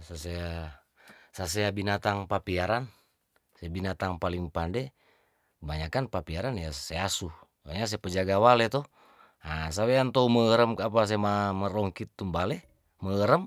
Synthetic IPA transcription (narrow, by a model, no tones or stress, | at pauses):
sasea | sas̬eabinat̪aŋpapiaɾan | sebinat̪aŋpaliŋpandɛ | kəbaɲakanpapiaɾanjaseasu | aɲas̬epəd͡ʒaɡawalet̪ɔ | as̬aweant̪ouməəɾəmkapas̬emaməɾɔŋkit̪ːumbale | məəɾəm